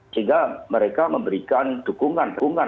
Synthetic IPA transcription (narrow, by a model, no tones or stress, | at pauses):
siŋɡaməɾekaməmbəɾikand̪̥ṳkuŋanpkuŋa